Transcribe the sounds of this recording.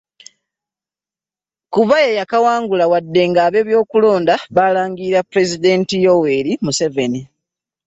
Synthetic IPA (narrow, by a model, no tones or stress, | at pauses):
kuβajejakawaːŋɡulawadːe̞ŋɡaːβe̞ːβjo̞ːkulo̞ːndaβaːlaːŋɡiɾapuɾe̞zid̪e̞ːntijowe̞ɾimuse̞ve̞ni